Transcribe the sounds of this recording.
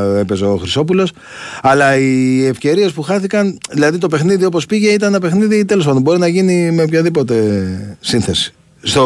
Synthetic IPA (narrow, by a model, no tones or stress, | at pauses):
e̞pe̞zeoxɾiso̞p̬ulo̞s | ɐlɐiefce̞ɾie̞spuxɐθikɐnðilɐðit̪o̞pe̞xniðio̞po̞spiʝe̞it̪ɐnenɐpe̞xniðit̪e̞lospɐnd̪ombo̞ɾinɐʝinimeopçɐðipo̞t̪e̞sinθe̞si̥ | st̪o